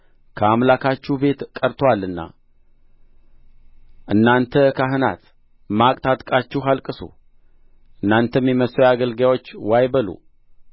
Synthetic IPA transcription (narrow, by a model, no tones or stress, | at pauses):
kʰəamlakʰat͡ʃːube̞t̪kʼəɾt̪ʰwalːɨnːa̰ | ʔɨnːant̪ʰəkʰaɦɨna̰t̪ | makʼt̪ʰat̪ʼkʼat͡ʃːuɦalkʼɨsṵ | ʔɨnːant̪ʰəmjɛməsojaɡəlɡjawo̞t͡ʃːwajbəlṵ